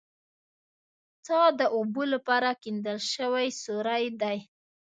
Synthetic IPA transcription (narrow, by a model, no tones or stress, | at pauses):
t̪ɑd̪əʔobolapɑɾakind̪əlʃəwajsoɾajd̪aj